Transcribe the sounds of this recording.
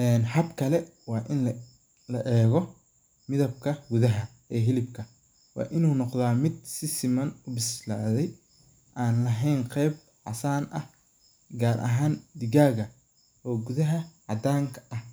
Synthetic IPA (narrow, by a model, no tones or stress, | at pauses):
ʔɛːnħɐbkʰɐlɛ | wɑːʔɪn | lɐʔɛːɣɔ | mɪðɐb̚kʰɐɡuðɐɦɐ | ʔɛːɦɪlɪb̚kʰɐ | wɑ̰ːʔɪnuːnɔqðaːmɪd̪̚sɪsɪmɐnʊbɪsla̰ːðɛj | ʔaːnlɐɦɛjnqɛjb̚ | ʕɑ̰saːnʔɐh | ɡaːrʔɐ̰ɦaːnd̪ɪɣaːɣɐ | ʔɔːɡuðɐɦɐʕɑd̪aːŋkʰɐ̥ʔɐh